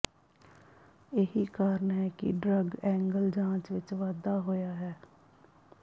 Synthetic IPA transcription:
jeɦikaːɾənɦɛkḭɖɾəɡɛ̃ːŋɡəld͡ʒãːt͡ʃʋɪt͡ʃʋaːd̪aːɦoːjaːɦɛː

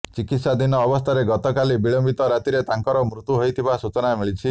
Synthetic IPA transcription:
t͡ʃikit̪sad̪inɔːbɔst̪ʰaɾeɡɔt̪ɔkalibiɭɔmbit̪ɔɾat̪iɾet̪aŋkɔɾɔmɾut̪uɦojt̪ʰibasut͡ʃɔnamiɭit͡ʃʰi

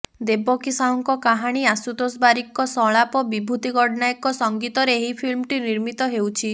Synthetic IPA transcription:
d̪ebɔkisaɔŋkɔkaɦaɽ̃iasut̪osbaɾikːɔsɔɭapɔbibʱut̪iɡɔɽnajkɔsɔŋɡit̪ɔɾeeɦipʰilmʈiniɾmit̪ɔɦewt͡ʃʰi

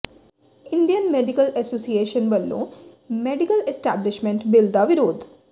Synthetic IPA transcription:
ɪ̃ɳɖijənmeːɖɪkəlɛsoːsieːʃənʋəlːõ̰ː | meːɖɪkəlesʈæːblɪʃmɛ̃ɳʈbɪld̪aʋɪɾoːd̪

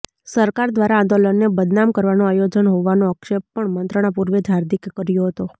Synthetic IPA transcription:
səɾkaɾd̪ʋaɾaãnd̪olənːebəd̪namkəɾʋanoajod͡ʒənɦoʋanoəkʃeb̚pəɳmənt̪ɾəɽ̃apuɾʋed͡ʒʱaɾd̪ikːəɾjoɦət̪o

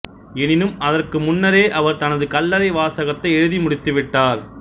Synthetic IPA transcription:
ɛnɪnɯmɐðɐrkɯmʊnːɐɾeːʔɐʋɐɾt̪ɐnɐðɯkɐlːɐɾɐɪʋaːsɐɣɐt̪ːɐɪɛɻɯðimʊɽɪt̪ːɯʋɪʈːaːɾ

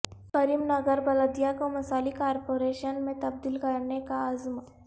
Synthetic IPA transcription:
kəɾiːmnəɡəɾbɐləd̪ijakomɐsaːlikaːɾpoɾeʃənmẽt̪ɐb̚d̪iːlkɐɾnekaəzm

